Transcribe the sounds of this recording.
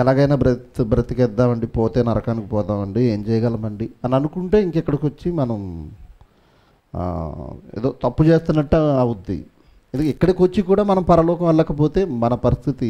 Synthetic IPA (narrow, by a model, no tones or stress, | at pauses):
ɛlaːɡɐjnaːbɾɐt̪bɾɐt̪ikɛd̪ːaːmɐɳɖipoːt̪e̞ːnɐɾɐkaːnikipɔːt̪aːmɐɳɖie̞ːɲt͡ʃɛːjɐɡaːlɐmɐɳɖiɐniɐnukuɳʈeːiŋkɛkːɐɽikot͡ʃːimɐnɐm | ḛːd̪oːt̪ɐpːut͡ʃe̞ːst̪unːɐʈːɐɐwud̪ḭ | ɐnd̪ukikːɐɽikot͡ʃːikuːɽaːmɐnɐmpɐɾɐlɔːkɐmɛɭːɐkɐp̬o̞ːt̪e̞ːmɐnɐpɐɾist̪ʰit̪i